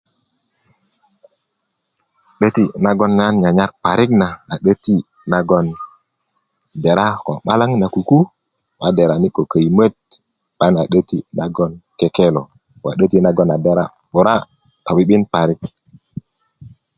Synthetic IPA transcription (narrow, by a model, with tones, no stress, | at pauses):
ɗə˦ti˦na˦ɡo˦nːa˦nɲa˨ɲa˦ɾpa˨ɾi˦knaː˨ɗə˦ti˦ | na˦ɡo˦n | de˨ɾa˦ko̰˨ɓa˦la˦ŋna˨ku˨ku˦ | ma˨de˨ɾa˨ni˦ko˨kə˨jmə˦d̚ | ɓa˦na˨ɗə˦ti˦na˦ɡo˦nke˦ke˦lo̰˨ | wa̰˨ɗə˦ti˦na˨ɡo˦na˨de˦ɾa̰˦ | ɓo˨ɾa˦ | t̪o˨wi˨˦ɓi˦npa˨ɾi˦k